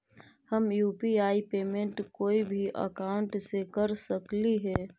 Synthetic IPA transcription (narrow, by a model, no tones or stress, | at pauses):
həmjuːpiaːipeːmẽɳʈkoːibʱiʔə̰kaːʊ̃ɳʈsekəɾsəkliɦɛː